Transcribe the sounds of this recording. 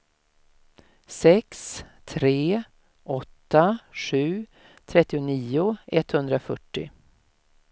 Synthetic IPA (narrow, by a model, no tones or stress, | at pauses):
sɛks | t̪ʰɾeː | ʔɔt̪ːaɧʉ̟ː | t̪ʰɾɛt̪ːɪʊniːʊɛt̪hɵnd̪ɾafœʈːɪ̰